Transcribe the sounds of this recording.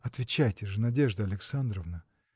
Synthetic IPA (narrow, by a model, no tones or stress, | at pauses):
ɐt̪vʲɪt͡ɕæjtʲɪʐɨnɐdʲeʐd̪əɐlʲɪksand̪ɾəvnə